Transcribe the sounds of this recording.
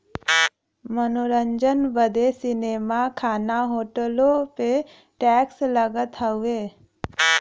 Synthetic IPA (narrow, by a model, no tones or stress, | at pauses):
mənoɾəɲd͡ʒənbəd̪ʱesinemakʰanaɦoʈəlope | ʈɛksləɡət̪ʰəʋe